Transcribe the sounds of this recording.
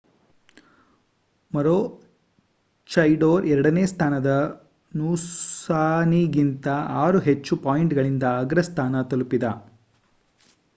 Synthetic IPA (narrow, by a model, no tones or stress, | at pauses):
mɐɾoː | t͡ʃɐjɖoːɾɛɾɐɽɐneːst̪ʰaːnɐd̪ɐ | nuːsaːniɡint̪ɐaːɾuɦet͡ʃːupaːjɳʈɡɐɭind̪ɐːɡɾɐst̪ʰaːnɐt̪ɐlupid̪ɐ